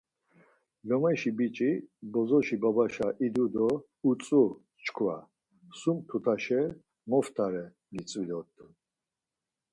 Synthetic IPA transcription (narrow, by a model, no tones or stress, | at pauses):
lɔmaʃibit͡ʃʼibɔzɔʃibabaʃaʔid̪ud̪ɔ | ut͡sʼu | t͡ʃkʰva̰ | sumt̪ʰut̪ʰaʃɛ | mɔft̪ʰaɾɛ | ɡit͡sʼvilɔt̪ʼ